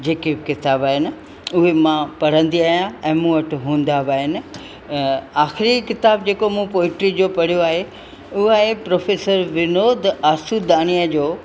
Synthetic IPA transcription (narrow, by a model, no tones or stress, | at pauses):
d͡ʑeːkebkɪt̪aːbaːɦɪnɪ̆ | ʊɦemãpɐɽ̤ə̃nd̪iaːɦijãɛ̃ːmũːɐʈʰʊɦũːnd̪abaːɦɪnɪ̆ | aːxɪɾikɪt̪aːbd͡ʑeːkomũpoːɪʈɾid͡ʑoːpɐɽ̤ijoaːɦe | ʊɦaːɦepɾoːfeːsəɾʋɪnoːd̪aːsud̪aːñijad͡ʑoː